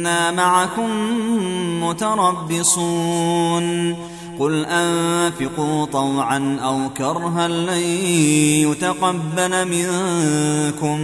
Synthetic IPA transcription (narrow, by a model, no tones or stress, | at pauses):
naːmaʕakʊmː | ʊt̪ɑɾˤɑbːɪsˤuːn | qʊlʔanfɪquːt̪ˤɑwʕanʔawkɑɾˤɦalːaðiijʊt̪aqɑbːalmɪŋ | kʊm